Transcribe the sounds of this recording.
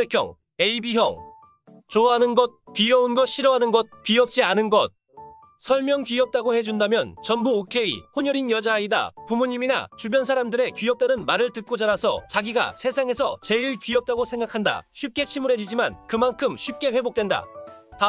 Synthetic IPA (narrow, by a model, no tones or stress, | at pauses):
ekʰjʌ̰ŋ | e̞ibijʌŋ | t͡ɕoɦanɯnɡʌt̚kɥiʌunɡʌɕ͈ʰiɾʌɦanɯnɡʌt̚kɥiʌp̚t͡ɕ͈ianɯnɡʌt̚ | sʰʌɭmjʌŋkɥiʌp̚t͈aɡohe̞d͡ʑundamjʌnt͡ɕʌnbuokʰe̞ḭɸoɲʌɾinjʌd͡ʑaida̰pumuɲimina̰t͡ɕubjʌnsʰaɾamdɯɾe̞kɥiʌp̚t͈aɾɯnmaɾɯɭtɯt̚k͈od͡ʑaɾasʰʌ̰t͡ɕaɡiɡa̰sʰe̞sʰaŋe̞sʰʌt͡ɕe̞iɭkɥiʌp̚t͈aɡosʰe̞ŋɡakʰanda̰ɕʰɥip̚k͈e̞t͡ɕʰimuɾɦe̞d͡ʑid͡ʑimankɯmankʰɯmɕʰip̚k͈e̞ɸwe̞bok̚t͈we̞nda̰ta